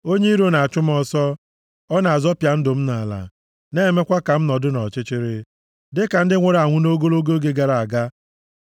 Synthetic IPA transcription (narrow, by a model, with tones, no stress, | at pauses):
o˦ɲe˦i˦ɾo˦˨na˨a˨t͡ʃʊ˦m˦ɔ˦sɔ˦ | ɔ˦na˨a˨zɔ˦pja˨n̩˦dʊ˨m̩˦na˨la̰˨ | ne˦˨me˦kʷa˦ka˨m̩˦nɔ˨dʊ˦nɔ˨t͡ʃɪ˦t͡ʃɪ˦ɾɪ˦ | dɪ˦ka˨n̩˦dɪ˦ŋʷe˨ɾa˨ŋʷʊ˦no˦ɡo˦lo˦ɡo˦ɡe˦ɡa˨ɾa˨a˨ɡa˦